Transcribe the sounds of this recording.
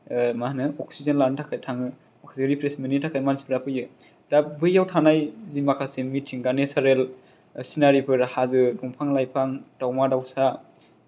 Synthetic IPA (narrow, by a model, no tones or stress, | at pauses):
mahnɯɔksizenlantʰakʰajtʰaŋɯ | ɔksizeɾipʰɾesmenitʰakʰajmansi̥pɾapʰɯjɯ | d̥abɯjːawtʰanajzimakʰasemitʰiŋɡanesaɾel | sinaɾipʰɯɾhazɯbuŋpʰaŋlajpʰaŋdawmadawsa